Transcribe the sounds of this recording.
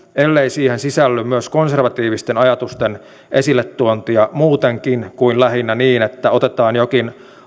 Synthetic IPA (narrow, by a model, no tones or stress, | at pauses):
elːeisiːhensisælːymyøsko̞nse̞rʋɑt̪iːʋist̪enɑjɑt̪ust̪en | ʔe̞silːet̪ːuont̪iɑmuːt̪eŋkinkuinlæɦinːæniːnet̪ːæo̞t̪et̪ɑːnjokin